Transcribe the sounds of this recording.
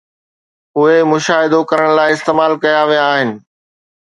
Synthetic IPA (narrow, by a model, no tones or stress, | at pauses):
ɦʊemʊʃaːɦɪd̪okɐɾəɽ̃laːɪɪst̪eːmaːlkɐjaʋijaːɦɪnɪ̆